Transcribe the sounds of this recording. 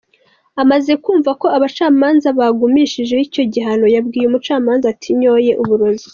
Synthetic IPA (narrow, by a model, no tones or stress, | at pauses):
amaze̞kuːɱvako̞aβat͡ʃaːmaːnzaβaɡumiʃiʒehico̞ɟiɦano̞jabɡiːjumut͡ʃaːmaːnzatʰiɲo̞ːje̞ʔuβuɾo̞zi